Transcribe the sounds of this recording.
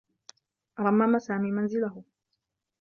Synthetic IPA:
ʔɾˤɑmːamasaːmiːmanzɪlahʊ

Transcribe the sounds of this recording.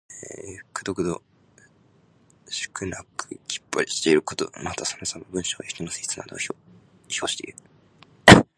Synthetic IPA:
e̥kɯ̟d̪okɯ̟d̪o̰ | ɕɨ̥kɯ̟nakɯkʲʰi̥pːoɾʲiɕi̥t̪e̞iɾɯ̟kot̪o̰mat̪asamasamobɯ̟̃ɰ̃ɕo̞ːeç̥t̪onosɨi̥t͡sɨna̰d̪o̰o | çoːɕi̥t̪e̞iɾɯ

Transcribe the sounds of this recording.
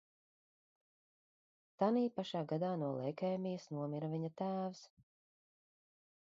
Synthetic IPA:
t̪aniːpaʃaːɡad̪aːnuɔlˠɛjkɛːmijɐsnuɔmiɾɐviɲɐt̪æːvs

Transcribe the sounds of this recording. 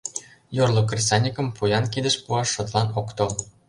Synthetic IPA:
jorlˠokrʲisɑnʲikə̆mpujɑnkid̪ə̆ʃpuɑʃŏt̪lˠɑnokt̪ŏl

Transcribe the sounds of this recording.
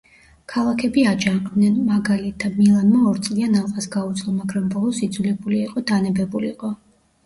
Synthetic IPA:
kʰalˠakʰɛbiad͡ʒad̪nɛnmaɡalit̪ʰamilˠanmaɔɾt̪sʼlianalˠqʼasɡaut̪sʼlˠɔmaɡɾambɔlˠɔsid̪zulɛbuliːqʼɔd̪anɛbɛbuliqʼɔ

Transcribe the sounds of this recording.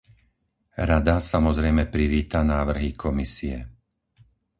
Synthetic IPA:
ɾad̪asamɔzɾɛjmɛpɾiʋiːt̪anaːʋr̩ɦikʰɔmisiɛ̰

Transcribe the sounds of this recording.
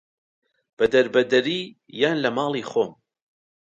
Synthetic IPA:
b̥ɐd̪ɐɾbɐd̪ɐɾiː | jaːnlɐmɑːlˠiːxoːm

